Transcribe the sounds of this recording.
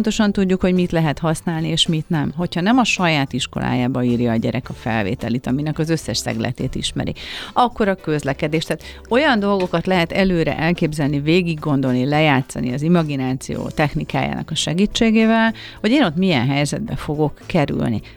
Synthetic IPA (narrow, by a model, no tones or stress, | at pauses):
nt̪o̞ʃɒnt̪uɟːukho̞ɟmit̪lɛɦɛt̪hɒsnaːlnieːʃmit̪nɛmɦo̞chɒnɛmɒʃɒjaːt̪iʃko̞̰lʔa̰ːjaːbɒiːrjɒːɟɛɾɛkɒfɛ̰lvḛːt̪ɛlit̪ɒminɛkɒzøsːɛʃsɛ̰ɡlɛ̰t̪eːt̪ḭʃmɛ̰ɾḭɒkːo̞ɾɒkø̞zlɛkɛd̪eːʃt̪ɛːt̪ | o̞jɒnd̪o̞lɡo̞kɒt̪lɛɦɛt̪ɛløːɾɛ̰ʔɛlkeːbzɛlniveːɡiɡːo̞nd̪o̞lnilɛjaːt̪sɒ̰niɒzimɒɡinaːt̪sḭjo̰ːt̪ɛxnika̰ːja̰ːnɒ̰kɒʃɛɡit͡ʃːeːɡeːvɛl | ho̞ɟeːno̞t̪miɛnɦɛjzɛ̰d̪̚bɛfo̞ɡo̞kːɛɾy̰lnḭ